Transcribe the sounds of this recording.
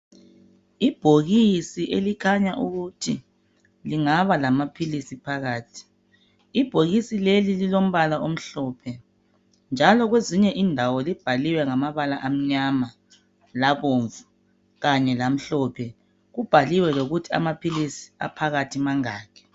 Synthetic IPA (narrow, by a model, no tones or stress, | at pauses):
ib̥ʱoɣisiʔelikʰaɲaʔuɣutʰi | liŋaβalamapʰilisipʰaɣaːtʰi̥ | ib̥ʱoɣisilelililom̩βalaʔom̩ɬɔpʰɛ | nd͡ʒʱalɔɣweziɲɛʔindʱawɔlib̥ʱaliwɛŋamaβalaʔam̩ɲama | laβoɱvu | ɣaɲɛlam̩ɬɔpʰɛ | ɣub̥ʱaliwɛloɣutʰia̰mapʰilisi̥a̰pʰaɣatʰimaŋaːkʰɛ̥